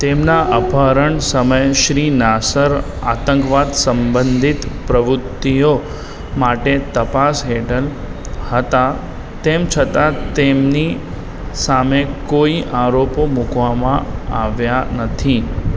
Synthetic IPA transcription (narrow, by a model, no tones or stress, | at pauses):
t̪emnaʔəpaɾəɳsəməjʃɾinasəɾ | a̰t̪ə̃ŋkʋad̪səmbənd̪ʱit̪pɾəʋɾʊt̪ːijo | maʈet̪əpasɦeʈəl | hət̪a | t̪emt͡ʃʰət̪at̪emni | samekoiʔaɾopomukʋamãaʋjanət̪ʰi